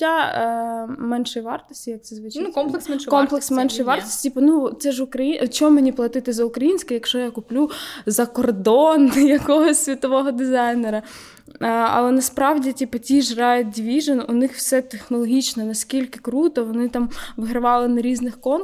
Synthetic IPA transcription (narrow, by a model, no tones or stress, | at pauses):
a | mɛnʃɔjʋɑrt̪ɔ̥sʲtʲijɐkt̪sɛzʋɪt͡ʃnɔmˠkskɔmplˠeksmɛnʃɔjʋɑrt̪ɔ̥sʲtʲipɐnusɛʒʊkɾɐjit͡ʃɔmmenʲiplˠɐt̪ɪt̪ɪzɐʊkɾɐjinʲsʲkɪjɐkʃt͡ʃɔjakʊplʲuzɐkɔrd̪ɔnɪjɐkɔɦɔsʲsʲʋʲit̪ɔʋɔɦɔd̪ɪzɑjneɾɐ | ɐ̰lˠɛnɐspɾɑʋdʲitʲipɐtʲiʒɾɑjʊt̚ʲd̪ʲʋʲiʒenʊnɪxw̥sɛt̪exnɔlˠɔɦʲit͡ʃnɛnɐsʲkʲilʲkɪ̥kɾut̪ɔʋɔnɪt̪ɑmʋɪɦɾɪʋɑlˠɪnɐɾʲiznɪxkɔn